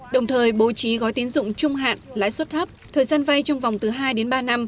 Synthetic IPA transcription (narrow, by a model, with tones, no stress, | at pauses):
ɗə˨˩wŋ͡mt̪ʰəː˨˩jɓo̰˧˨˩t͡ɕi˨˦ɣɔ˨˦jt̪i˨˦ənzʊ̰˧˨ŋ͡mt͡ɕʊ˧ŋ͡mɦa̰ː˧˨nla̰ː˧˥˨jswt̚t̪ʰə˦˥p̚t̪ʰəː˨˩jzaː˧nva˧jt͡ɕɔ˧wŋ͡mva˨˩wŋ͡mt̪ɨ˨˩ɦaː˧jɗe˨˦nɓaː˧na˧m